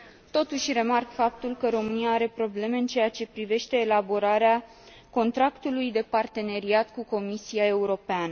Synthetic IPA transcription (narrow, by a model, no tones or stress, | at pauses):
t̪o̞t̪uʃʲre̞markfap̚t̪ulkəɾo̞mɨniaaɾe̞pɾo̞ble̞me̞ɨnt͡ʃe̞jat͡ʃe̞pɾive̞ʃt̪e̞ːlabo̞ɾaɾea | ko̞nt̪ɾakt̪ulujd̪e̞part̪e̞ne̞ɾiat̪kuko̞misiae̞uɾo̞peanə